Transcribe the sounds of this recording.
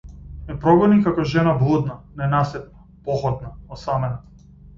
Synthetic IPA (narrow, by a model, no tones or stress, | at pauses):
ɛpɾɔɡɔnikakɔʒɛnablˠud̪nanɛnasɛt̪̚na | pɔxɔd̪naɔsamɛna